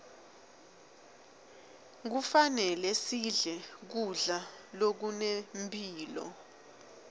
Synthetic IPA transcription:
k̬ufanɛlɛsiɮɛk̬uɮalok̬unempʰʼiːlɔ̰

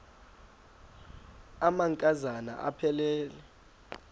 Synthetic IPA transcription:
amaŋkʼazana̰ʔapʰɛlɛːlɛ

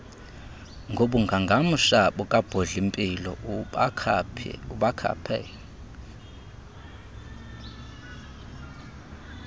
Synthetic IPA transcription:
ŋɡʱoɓuŋɡʱaŋɡʱam̩ʂaɓɔkʼab̥ʱɔɮimpʼilɔ | uɓakʰa̰pʰɛ̰

